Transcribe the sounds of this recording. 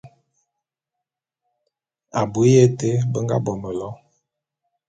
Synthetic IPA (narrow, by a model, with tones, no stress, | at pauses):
a˨bu˨˦je˦˨te˦bə˦ŋɡa̰˦bɔ˨mə˨lɔ˦